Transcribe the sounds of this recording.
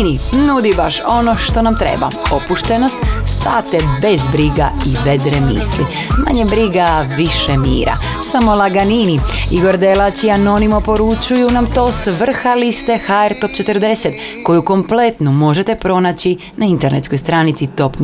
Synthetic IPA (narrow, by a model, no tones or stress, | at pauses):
ninud̪ibaʃo̞no̞ʃt̪o̞namt̪ɾḛba̰o̞puʃt̪e̞no̞st̪st̪at̪ebe̞zbɾiɡa̰iʋed̪ɾemḭsli | ma̰ɲebɾiɡaʋiʃemḭːɾa̰ | samo̞lˠaɡaniniiɡo̞ɾd̪elat͡ɕiano̞nimopo̞ɾut͡ʃujunamt̪o̞ːsʋr̩xalist̪e̞xaeɾt̪o̞p̚t͡ʃe̞t̪ərd̪e̞set̪ko̞juko̞mple̞t̪numo̞ʒe̞t̪epɾo̞nat͡ɕi | naint̪e̞ɾnet̪sko̞jst̪ɾaːnit̪sit̪o̞pn